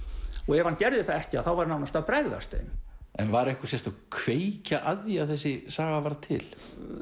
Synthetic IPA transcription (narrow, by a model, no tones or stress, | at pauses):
ɔɣɛvhancɛɾðɪθaðɛhcɪaðθawvaɾnawnast̪awpɾɛɣða̰st̪ḛjmɛnvaɾɛhkʏsjɛr̥t̪akʰveːjcaʔaðjaθɛs̬ːɪsaːɣavaɾt̪ʰɪ̰l